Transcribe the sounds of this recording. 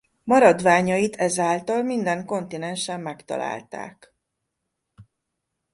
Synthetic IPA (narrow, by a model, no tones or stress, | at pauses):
mɒɾɒd̪ʋaːɲɒjit̪ʰɛzaːlt̪ɒlmind̪ɛŋko̞nt̪inɛnʃɛmːɛkt̪ɒ̰la̰ːlt̪a̰ːk